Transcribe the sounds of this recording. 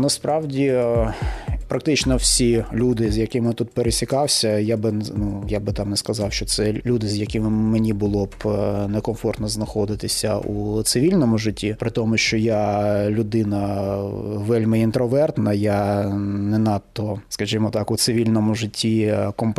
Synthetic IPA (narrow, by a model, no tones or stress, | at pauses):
nɐspɾɑwdʲi | pɾɐk̚t̪ɪt͡ʃnɔwsʲilʲud̪ɪzʲjɐkɪmjt̪ut̪̚peɾesʲikɑwsʲɐjabɪnnujabɪt̪ɑmnɛskɐzɑwʃt͡ʃɔt̪sɛlʲud̪ɪzjɐkɪmɪmenʲibʊlˠɔbnɛkɔmfɔrt̪nɔznɐxɔd̪ɪt̪ɪsʲɐut̪sɪʋʲilʲnɔmʊʐɪtʲːipɾɪt̪ɔmʊʃt͡ʃɔjalʲʊd̪ɪnɐ | ʋɛlʲmɪint̪ɾɔʋɛrt̪nɐjanɛnɑt̪ːɔskɐʒimɔt̪ɑkʊt̪sɪʋʲilʲnɔmʊʐɪtʲːikɔmp